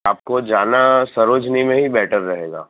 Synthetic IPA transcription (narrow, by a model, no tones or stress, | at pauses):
aːp̚kod͡ʒaːnasɐɾoːd͡ʒnimẽɦibɛːʈəɾːɐɦeːɡa̰ː